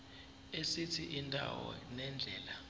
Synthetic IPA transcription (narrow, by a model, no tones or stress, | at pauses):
esitʰiʔindʼʱa̰wɔ̰nɛnd͡ɮʱɛːla